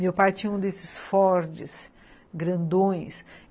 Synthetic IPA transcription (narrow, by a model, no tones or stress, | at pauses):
mewpajt͡ʃĩɲɐũd̪esɪsfɔɾd͡ʒɪs | ɡɾɐ̃nd̪õj̃s